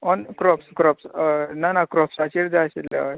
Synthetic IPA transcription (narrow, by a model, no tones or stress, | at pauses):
ɔnkɾɔpskɾɔpsnanakɾɔpsat͡ɕiɾd͡zasilḛa